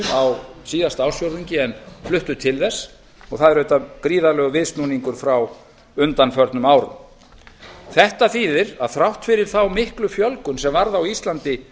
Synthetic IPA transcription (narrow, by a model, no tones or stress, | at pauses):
awsiːðast̪awsjowɾðiɲcɪɛnflʏht̪ʏt̪ʰɪlðɛsː | ɔɣθaðɛɾœht̪akɾiːðalœːɣʏvɪðst̪nuniŋkʏɾ̥fɾaw | ʏnt̪anfœɾt̪nʏmaːwɾʏ̰m | θɛht̪aθiːðɪɾaðθɾawht̪fɪɾɪɾ̥θawmɪhklʏfjœlkʏnsɛmvaɾðawist̪lant̪ɪ